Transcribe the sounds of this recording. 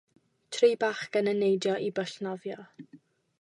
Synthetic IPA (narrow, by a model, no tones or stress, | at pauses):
tʰriːbaχkənənejdjɔʔibəɬnɔvjɔ